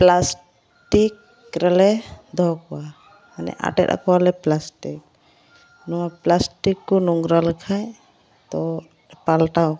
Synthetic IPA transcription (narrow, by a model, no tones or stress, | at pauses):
plas | ʈik | ɾɛlɛd̪ʱɔkɔwa | manɛ̰ʔa̰ʈɛ̰t̪a̰kɔwalɛplasʈik̚ | nɔwaplasʈikːɔnɔŋɡɾaləkʰaj | t̪ɔ | palʈaw